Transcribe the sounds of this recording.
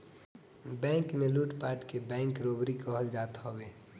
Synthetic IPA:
bɛ̃ːŋkmẽluːʈpaːʈkebɛ̃ːŋkɾoːbɾikɔɦəld͡ʒaːt̪ɦoweː

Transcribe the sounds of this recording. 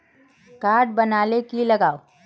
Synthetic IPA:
kaːɾɖ̚bɐnaːlekilɐɡaːo

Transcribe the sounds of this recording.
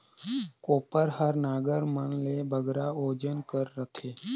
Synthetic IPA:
koːpəɾɦəɾnaːɡəɾmənlebʱəɡɾaoːd͡ʒənkəɾːət̪ʰe

